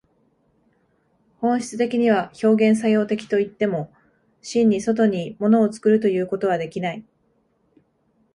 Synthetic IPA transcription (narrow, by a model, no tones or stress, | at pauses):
hõ̞ɰ̃ɕi̥t͡sɨ̥t̪e̞kʲiɲ̟iβ̞aço̞ːɡẽ̞ɰ̃s̬ajo̞ːt̪e̞kʲi̥t̪o̞it̪ːe̞mo̞ | ɕĩɲ̟ːiso̞t̪̬o̞ɲ̟imo̞no̞ːt͡sɨ̥kɯ̟ɾɯ̟t̪o̞jɯ̟ːko̞t̪o̞β̞ad̪e̞kʲinai